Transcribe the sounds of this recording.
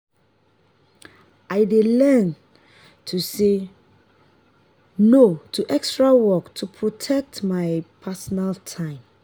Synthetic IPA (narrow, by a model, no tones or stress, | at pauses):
aɪdelɛn | tʰuse | notʰuʔɛkstɹawɔktʰupʰɹotʰɛk̚tmaɪpʰasɔnaltʰãɪ̃m